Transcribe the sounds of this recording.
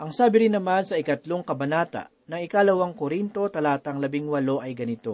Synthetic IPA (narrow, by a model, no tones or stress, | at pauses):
ʔɐŋsaːbɪɾɪnːɐmansɐɪkɐt̪lo̞ŋkɐbɐnaːt̪ɐ̰ | nɐŋɪkaːlɐwɐŋkoɾint̪o̞t̪ɐlaːt̪ɐŋlɐbɪŋwɐlo̞ʔɐjɡɐnɪt̪o̞